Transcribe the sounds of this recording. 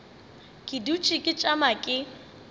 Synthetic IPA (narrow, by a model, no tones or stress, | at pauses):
kʼɪdut͡ʃʼɪkʼɪt͡ʃʼamakʼɪ